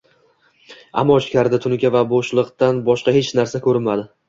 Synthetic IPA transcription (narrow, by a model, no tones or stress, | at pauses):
a̰mːɒt͡ʃɪ̥kʲʰaɾd̪at̪ʰʊnkʲavaboʃlˠɨqt̪anbɒʃqɑhe̞t͡ʃnaɾsakʲʰɵɾɪmad̪ɪ